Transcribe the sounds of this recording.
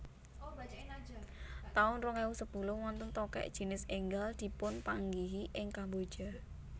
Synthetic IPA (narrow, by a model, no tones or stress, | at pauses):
t̪aʊnrʊŋewʊsəb̥ulʊwɔnt̪ʊnt̪ɔkɛ̰ʔd̥ʒ̥i̤nɪseŋɡəld̪̥i̤pʊnpaŋɡiɦiʔɪŋkambod̥ʒ̥a